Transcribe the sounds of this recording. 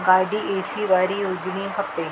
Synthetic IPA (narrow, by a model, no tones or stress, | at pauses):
ɡaːɖieːʈsiʋaːɾijoːd͡ʒnĩɦɐt̪eː